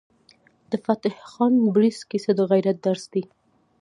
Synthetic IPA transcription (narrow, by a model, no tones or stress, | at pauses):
d̪əfat̪ɪhxɑnbɾiskised̪əɣajɾat̪̚d̪aɾsd̪i